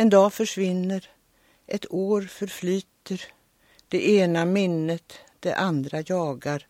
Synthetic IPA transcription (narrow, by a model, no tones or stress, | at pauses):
ɛnd̪ɑːfœʂvɪnːəɾ | ʔɛt̪ʰoːɾfœɾflyːt̪əɾ | d̪̥ɛʔeːnamɪnːət̪d̪̥ɛ̰ʔand̪ɾajɑːɡaɾ